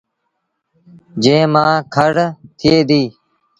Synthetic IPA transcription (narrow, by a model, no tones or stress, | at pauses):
d͡ʒẽːmãːkʰəɽt̪ʰɪeːd̪iː